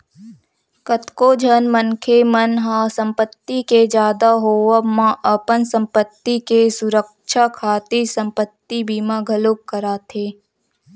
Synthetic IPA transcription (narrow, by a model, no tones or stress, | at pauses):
kət̪kod͡ʒʱənmənkʰemənɦãsə̃mpət̪ːiked͡ʒjaːd̪aɦoːəmãʔəpənsə̃mpət̪ːikesʊɾəkʃakʰaːt̪isə̃mpət̪ːibiːmaɡʱəloːk̚kəɾaːt̪ʰeː